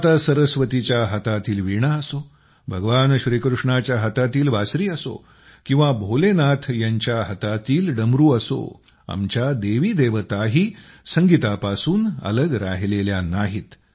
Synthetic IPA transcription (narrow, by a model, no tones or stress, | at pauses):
at̪asəɾəsʋət̪it͡ɕjaɦət̪at̪iːlʋiɳ̃aəso | bʱəɡʋanɕɾiːkɾuʂɳat͡ɕjaɦət̪at̪iːlʋasɾiːəso̰ | kĩw̃ʋabʱolenat̪ʰjaɲt͡ɕjaɦət̪at̪iːlɖəmɾuːəso̰ | a̰mt͡ɕad̪eʋiːd̪eʋət̪aɦiː | səŋɡit̪apasuːnə̰ləɡɾa̰ɦleljanaɦit̪